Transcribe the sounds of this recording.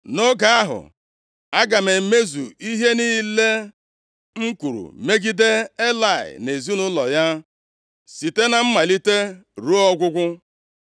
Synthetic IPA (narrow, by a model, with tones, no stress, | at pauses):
no˦ɡa˨a˦ɦʊ̰˨ | a˦ɡa˨me˨m̩˨me˦zu˨i˦ɦe˦niː˦le˦ | ŋ̩˦kʷu˨ɾṵ˨me˦ɡi˦de˦e˦la˦˨ɪ̰˨ne˨zi˦nʊ˦lɔ˨ja˦ | si˨te˦na˨m̩˦ma˨li˦te˦ɾo˦ɔ˦ɡʷʊ˦ɡʷʊ˦